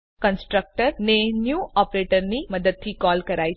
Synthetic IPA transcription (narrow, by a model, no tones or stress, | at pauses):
kənsʈɾək̚ʈəɾnenjuːʔɔpɾeʈəɾniːməd̪əd̪̚tiːkɔlkəɾaj